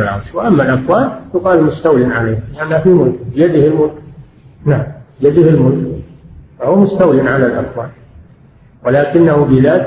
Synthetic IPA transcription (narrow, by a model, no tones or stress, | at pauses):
alʕɑ̰ɾʃwɪʔamːalʔafwaːlt̪ʊqɑːlmʊst̪awjɪnʕalajhalɪʔanːafimʊlkbɪjad̪ɪhɪlmʊlk | naʕambɪjad̪ɪhɪlmʊlk | fahʊwmʊst̪awjɪnʕalalʔafwaːl | walaːkɪnːahʊbɪðaːt̪